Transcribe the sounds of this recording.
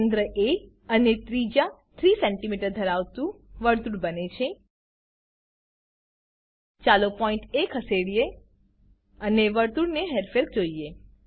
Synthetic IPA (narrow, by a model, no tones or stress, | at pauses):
nd̪ɾəʔe | ənet̪ɾid͡ʒat̪ʰɾisɛɳʈimiʈəɾd̪ʱəɾaʋt̪ũʋəɾt̪uɽbənet͡ʃʰe | t͡ʃalopɔiɳʈekʰəseɽije | əneʋəɾt̪uɽneɦeɾfeɾk̚d͡ʒoie